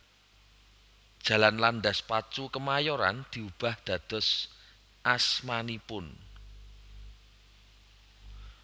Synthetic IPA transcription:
d̥ʒ̥ä̤lanlanɖ̪aspat͡ʃukəmajɔɾa̰nd̪̥i̤ub̥ä̤hd̪̥ä̤d̪̥ɔ̤s | ʔasmanipʊn

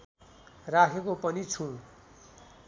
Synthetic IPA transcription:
rakʰekopʌnit͡sʰũ

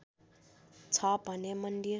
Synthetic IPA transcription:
t͡sʰʌbʱʌnemʌnd̪i

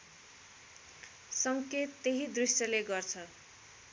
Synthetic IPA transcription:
sʌŋket̪ːeɦid̪risʌleɡʌrt͡sʰʌ

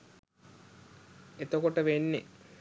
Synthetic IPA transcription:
et̪okoʈəʋenːe

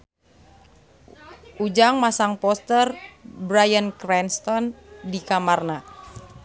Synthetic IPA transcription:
ʔud͡ʒaŋmasaŋpɔst̪ərbɾajənkɾɛnst̪ɔndikamarna

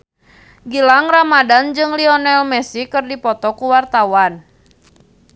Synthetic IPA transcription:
ɡilaŋramadand͡ʒɨŋliɔnɛlmɛsikɨrdipɔt̪ɔkuwart̪awan

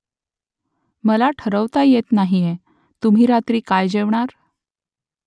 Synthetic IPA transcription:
məlaʈʰəɾəʋt̪ajet̪naɦije | t̪um̤iːɾat̪ɾiːkajd͡ʑeʋɳaɾ

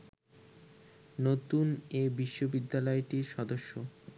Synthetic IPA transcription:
not̪unebiʃːobid̪ːalɔeʈiɾʃɔd̪oʃːo

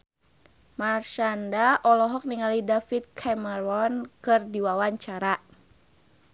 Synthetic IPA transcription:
marʃandaʔɔlɔɦɔk̚niŋalidafit̪̚kʰɛmərɔnkɨrdiwawaɲt͡ʃaɾa

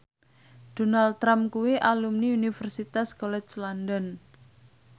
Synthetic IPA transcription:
d̥o̤nalt̪ːɾamkuwiʔalumniunifərsit̪askolɛt͡ʃlandɔn

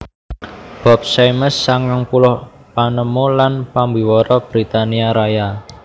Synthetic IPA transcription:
b̥ɔ̤p̚sajməsːaŋkaŋpulʊh | panəmolanpambiwɔɾɔb̥ɾit̪aniaɾaja

